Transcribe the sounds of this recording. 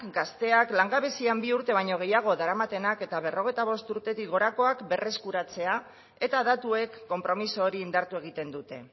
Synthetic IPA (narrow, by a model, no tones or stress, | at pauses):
kɡast̪e̞aklaŋɡaβe̞siambiuɾt̪e̞β̞ajɲo̞ɣ̞e̞jaɣ̞o̞ðaɾamat̪e̞nake̞t̪aβe̞ro̞ɣ̞e̞jt̪aβ̞o̞st̪uɾt̪e̞t̪ikɣo̞ɾako̞akbe̞re̞skuɾat͡se̞a | e̞t̪aðat̪ue̞kːo̞mpɾo̞miso̞ːɾiːnd̪aɾt̪ueɣ̞it̪e̞nd̪ut̪e̞̰